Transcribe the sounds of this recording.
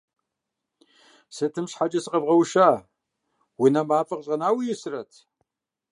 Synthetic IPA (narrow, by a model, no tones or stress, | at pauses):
sɨtʰɨmɕħad͡ʒɐsɨqɐvʁɐwʃaː | wʊnɐmaːfʼɐqɕʼɐnaːwijɪsɨrɐtʰ